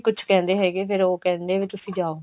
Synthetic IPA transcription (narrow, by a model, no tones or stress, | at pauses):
kʊt͡ʃʰkɛ̃ːnd̪eːɦɛːɡeːpʰɪɾoːkɛ̃ːnd̪eːʋeːt̪ʊsĩːd͡ʒaːoː